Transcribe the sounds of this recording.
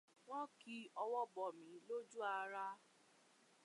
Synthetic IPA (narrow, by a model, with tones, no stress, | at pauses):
wɔ̃˦ki˦ɔ˧wɔ˦bɔ˨mĩ˨˦lo˦d͡ʒu˦a˧ɾa˦